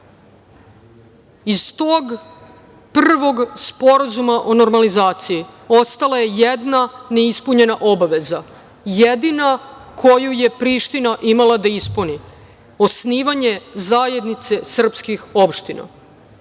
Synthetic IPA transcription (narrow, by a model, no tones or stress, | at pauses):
izt̪o̞ːɡ | prr̩ʋo̞ɡspo̞ɾazumaʔo̞no̞ɾmalizaːt̪sijio̞st̪alˠaje̞je̞d̪nane̞ispuɲe̞naʔo̞baʋe̞za | je̞d̪inakʰo̞juje̞pɾiʃt̪inaʔimalˠad̪aispuni | o̞sniːʋaɲe̞zaːje̞d̪nit̪se̞sr̩pskixo̞pʃt̪ina̰